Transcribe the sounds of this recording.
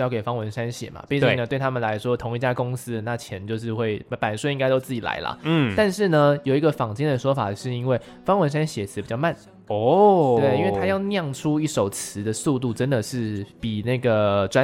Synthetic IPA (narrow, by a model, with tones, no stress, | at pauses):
jɑ˥˩ʊke˨˩ɪfɑ˥ŋwə˧˦nʂa˥nɕjɛ̰˨˩mɐ̰˨˩pi˥˧t͡ɕi˥˧˩ə˨t̪we˥˩ɪt̪ʰa˥mə˨nla˧˦ɪʂwɔ˥t̪ʰʊ˧˥ŋi˧˩t͡ɕja˥kʊ˥ŋsɹ̩˥˩na˥˩t͡ɕʰjɛ˧˥nt͡ɕjo˥˧ʊʂ̬ɻ̩˥˧xwe˥˩ɪpa˨˩nswi˥ŋka˥ɪt̪o˥ʊt͡sɹ̩˥˩t͡ɕi˨˩la̰˧˥ɪlə̰˨˥˩t̪a˥˧nʂɻ̩˥˩nə˩jo˨˩ʊi˧˥ɡə˨fɑ˨˩ŋt͡ɕi˥ŋd̪ə˨˩ʂwɔ˥fa̰˨˩ʂɻ̩˥˩i˥nwe˥˩ɪ | fɑ˥ŋwə˧˥nʂ̬a˥nɕjɛ˨˩t͡s̩ʰ˧˥pi˨˩t͡ɕjɑ˥˧ma˥˩n˨ɔ˥˩we˥˩i˥nwe˥˩t̪ʰa˥jɑ˥˧ʊnjɑ˥˩ŋʈ͡ʂʰu˥i˥˩ʂo˨˩ʊt͡sʰɹ̩˧˦d̪ə˧su˥˧t̪̬u˥˩ʈ͡ʂə˦˥nd̪ə˨ʂɻ̩˥˩pi˨˩na˥˩ɡə˩ʈ͡ʂwa˥